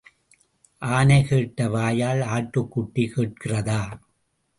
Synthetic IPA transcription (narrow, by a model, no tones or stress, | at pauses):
ʔaːnɐɪkeːʈːɐʋaːjaːlaːʈːɯkːʊʈːikeːʈ̚kɪrɐðaː